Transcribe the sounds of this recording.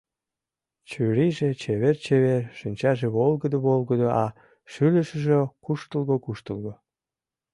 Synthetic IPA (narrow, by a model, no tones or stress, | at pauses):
t͡ɕyɾiʒet͡ɕeβert͡ɕeβerʃənʲt͡ɕɑʒeβolɣəd̪əβolɣəd̪oʔɑ | ʃyləʃə̆ʒekuʃt̪əlɣokuʃt̪əlˠɣo